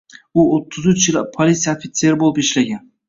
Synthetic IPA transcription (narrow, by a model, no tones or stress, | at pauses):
ʊot̪ʰːʊzʊt͡ʃɪlapʰolʲit̪sijafɪt̪se̞ɾɪbolˠɪpɪʃlaɡʲan